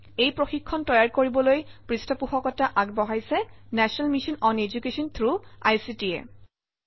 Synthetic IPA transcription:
ejpɹoxikʰːɔntɔjaɹkoɹibɔlojpɹistɔpuxɔkɔtaʔaɡ̚bɔɦajsɛnɛsɔnalmiʃɔnɔned͡ʒukesɔnt̪ʰɹuajsitiɛ̰

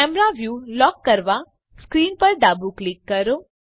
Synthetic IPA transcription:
ɛmɾaʋjulɔkːəɾʋa | skɾinpəɾd̪abuklikːəɾo

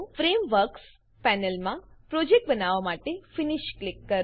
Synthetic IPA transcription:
fɾemʋəɾks | pɛnəlmãpɾod͡ʒek̚ʈ̚bənaʋamaʈefiniʃklikːə

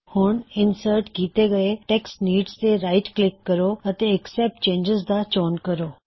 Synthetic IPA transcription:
hʊɳ̃ɪnsəɾʈkiːt̪eɡɐeʈɛksʈniːɖst̪eɾaːɪʈklɪkːɐɾoɐt̪eɛksɛp̚ʈ̚t͡ʃẽːnd͡ʒɪzd̪at͡ʃoːnkɐɾoː

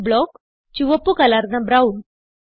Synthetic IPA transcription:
bɭɔk | t͡ɕuʋəpːukalaɾnabɾaun

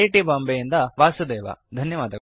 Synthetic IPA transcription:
iʈibaːmbejind̪ɐʋaːsud̪ɛːʋa̰d̪ʱɐnjɐʋaːd̪ɐ

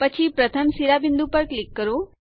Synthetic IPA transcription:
pət͡ʃʰipɾət̪ʰəmsiɾabɪnd̪upəɾklikːəɾo

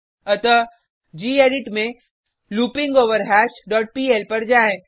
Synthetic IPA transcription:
ɐt̪ə | d͡ʒiːeːɖɪʈmẽ | luːpɪ̃ŋɡoːʋəɾɦɛːʃɖɔːʈ̚piːelpɐɾd͡ʒaːẽ

